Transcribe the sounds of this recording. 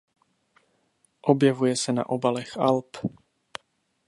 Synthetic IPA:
ʔobjɛvujɛsɛna̰ʔobalɛxa̰lp

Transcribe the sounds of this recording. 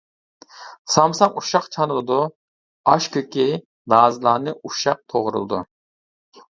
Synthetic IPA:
sɑmsɑŋuʃɑqt͡ʃʰɑnɨlˠɨd̪u | ɑʃkʲʰøkʲi | d̪ɑːzɨlˠɑːnɨʔuʃɑq̚t̪ʰoʁɾṵlˠɨd̪ṵ

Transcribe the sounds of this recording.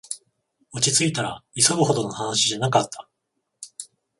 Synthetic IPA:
ot͡ɕit͡sɨit̪aɾaiso̞bɯ̟ho̞d̪o̞no̞hanaɕiʑanakat̪ːḁ

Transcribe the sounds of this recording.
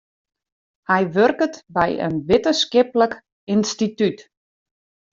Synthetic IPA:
hɛjʋørkətbɛ̰jə̰nʋɪtəskɪplək | ɪnstityt

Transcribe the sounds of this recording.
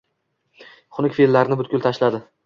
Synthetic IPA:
χʊnɪkʲfillːaɾɪnɪbʊt̪̚kʲʊlˠt̪ʰaʃlad̪ɪ

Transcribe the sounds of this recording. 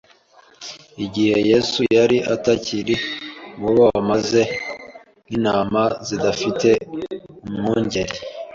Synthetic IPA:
iɟiheje̞sujaɾiʔataciɾiŋoβoamaze̞ | ninaːmazidafite̞umŋuːɲɟeɾi

